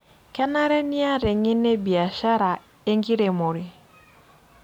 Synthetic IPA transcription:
kɛ˦na˦ɾɛ˦ni˦a˦ɾɛ˨ŋe˦ne˦bi˨a˨ʃa˦ɾa˨ | e˦ŋɡi˦ɾe˨mo˨ɾɪ˨

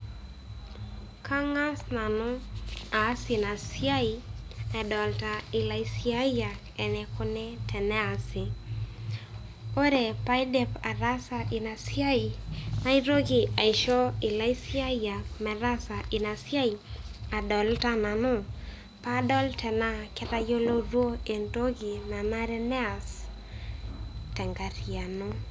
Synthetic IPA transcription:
kʰa˦ŋa˦sna˨nʊ˦a˨˦si˨na˨sia˦i˨ɛ˨dɔ˨lta˨i˨la˨i˦sia˦ja˨kɛ˨nɛ˨kʊ˦nɛ˦tʰɛ˨nɛ˦a˨sɪ˨ | o˦ɾe˨pa˦i˦dɛ˦pa˨ɾa˦sa˨ʔi˨na˨sja˦i˨na˦i˦ɾo˦ɡi˨a˨i˨ʃɔ˦i˨la˦i˦si˦a˦ja˨kmɛ˨ɾa˦sa˨ʔi˨na˨si˦a˦i˨a˨dɔ˨lta˦na˨no˦ | pa˦dɔ˦ltʰɛ˨na˦˨kɛ˦ta˦jo˦lo˦ɾwo˦e˨ndo˦ɡi˨na˨na˦ɾɛ˦nɛ˦a˨s | tɛ˨ŋɡa˨ɾi˨a˨no˦

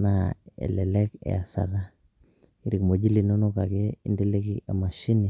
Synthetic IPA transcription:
na˨ḛ˨le˨le˦kɛ̰˨a˨sa̰˨ɾa˦ | i˨ɾi˨kmo˨d͡ʒi˦li˨no˦no˦ka˨ke˦i˦nde˦le˦ki˦ʔa˨ma˨ʃi˦ni˨

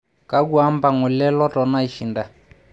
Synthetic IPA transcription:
ka˦ɡu˦a˦mba˨ŋɔ˨lɛ˦lɔ˦tɔ˨na˦i˨ʃi˨nda˨

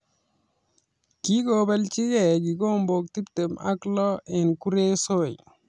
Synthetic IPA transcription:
ki˦ko˨bɛ˦lt͡ʃi˦kɛ˨k̬i˨ko˦mbo˨k̚ti˦pte˨ma̰˦klɔ˦ɛ˨nku˦ɾe˦so˦˨j

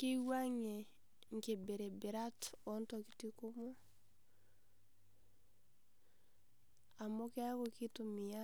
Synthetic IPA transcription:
ke˦wa˦ŋe˨ | ŋ˨ke˨be˨ɾe˨be˨ɾa˦tɔ˨ntɔ˨ki˨ti˦ko˦mo˦ | a˨mo˦ke˦a˦kɔ˨ki˦tu˨mi˨a˦

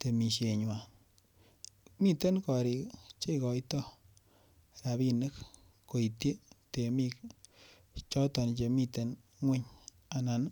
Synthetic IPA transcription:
te˨mi˨ʃe˨ɲwa˨ | mi˦te˦nkɔ˨ɾi˧t͡ʃe˦i˨kɔ˨jtɔ˦˨ | ɾa˨bi˧nɨ˦k | ko˨i˨tje˦te˨mi˦˧k | t͡ʃɔ˦tɔ˨nt͡ʃe˧mi˧te˨n | ŋwɪ˦ɲ | a˨na˨n˦

